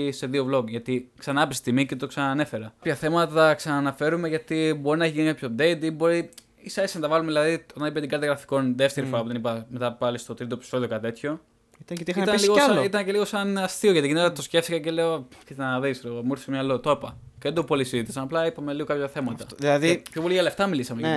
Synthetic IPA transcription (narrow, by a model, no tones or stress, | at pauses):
seðio̞vlo̞ɡʝɐt̪iksɐnɐpesst̪imicet̪oksɐnɐːne̞fe̞ɾɐkpçɐθe̞mɐt̪ɐt̪ɐksɐnɐːnɐfe̞ɾume̞ʝɐt̪ibo̞ɾinɐeçiʝinikapçod̪eit̪ibo̞ɾi | isɐesinɐt̪ɐvɐlumeðilɐðio̞t̪ɐnipet̪iɡɐt̪jɐɣɾɐfi̥ko̞nðe̞ft̪eɾifo̞ɾɐpuðenipɐmet̪ɐpɐlist̪o̞t̪ɾit̪opi̥so̞ðio̞kɐt̪e̞t̪ço̞ | it̪ɐt̪iit̪ɐliɣoit̪ɐnce̞liɣo̞sɐnɐst̪io̞ʝɐt̪iʝinet̪osce̞ft̪ikɐce̞leot̪it̪enðisleomuɾθi̥semɲɐlot̪opɐ | ceðed̪opolisiðit̪i̥sɐnɐplɐipɐmeliɣo̞kɐpçɐθe̞mɐtt̪ɐðilɐðipçooliʝɐleft̪ɐmilisɐme